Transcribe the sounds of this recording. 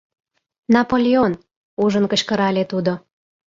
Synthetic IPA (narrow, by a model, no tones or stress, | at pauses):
nɑpolʲeon | uʒənkə̆ɕkəɾɑlʲet̪ud̪o